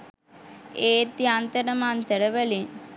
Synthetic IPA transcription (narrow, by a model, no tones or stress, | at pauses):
eːt̪iant̪ɐɾɐmaːnt̪ɐɾɐʋɐli